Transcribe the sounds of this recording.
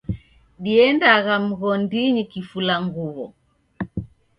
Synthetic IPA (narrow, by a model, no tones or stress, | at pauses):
ɗiɛndaɣam̩ɣɔndiɲikifulaŋɡuβɔ